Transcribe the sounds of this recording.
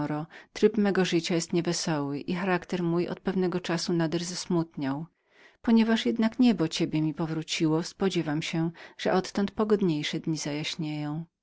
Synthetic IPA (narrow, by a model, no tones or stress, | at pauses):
ɾɔt̪ɾɘpmɛɡɔʐɘt͡ɕajɛst̪ɲɛvɛsɔwɘʔixaɾakt̪ɛɾmujʔɔ̰t̪̚pɛvnɛɡɔt͡ʂasunad̪ɛʐzasmut̪ɲaw | pɔɲɛvaʂjɛd̪nakɲɛbɔt͡ɕebʲjɛmʲipɔvɾut͡ɕiwɔspɔd͡ʑɛvamɕɛʐ̥ɛʔɔt̪ːɔnt̪̚pɔɡɔd̪ɲejʂɛd̪ɲizajaɕɲejɔ̃w̃